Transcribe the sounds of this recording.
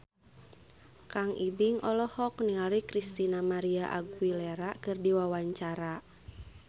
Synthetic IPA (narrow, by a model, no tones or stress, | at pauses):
kaŋibiŋʔɔlɔhɔkniŋaɾikɾist̪inamaɾiaʔa̰ɡileɾakɨrdiwawaɲt͡ʃaɾa